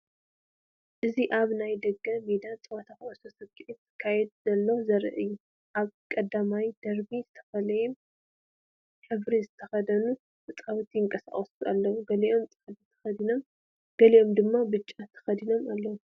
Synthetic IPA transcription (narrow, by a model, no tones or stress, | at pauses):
ʔɨziʔaβnajd̪ɐɡɐmed̪at͡sʼɨwɐt̪ʰaxʔɐsosɐβkʰʼiʔit̪ʰːɨ̥kʰːajɛd̪̚z̥ɐlːozɐɾɨ̰ʔɨjːu | ʔaβkʼɐd̪amajd̪̥ɐɾbizɨt̪ʰɐ̥fɐlɐje | ħɨβɾizɨt̪ʰɐxɐd̪ɐnu | bɨt͡sʼawt̪ʰijɨŋkʼɐsa̰χʼɐsualːɐwuɡɐliʔo̞mt͡sʼɨxd̪it̪ʰɐ̥xɐd̪ino̞m | ɡ̥ɐliʔo̞md̪ɨmːabɨt͡ʃʼːat̪ʰːɐ̥xɐd̪ino̞malːɐwu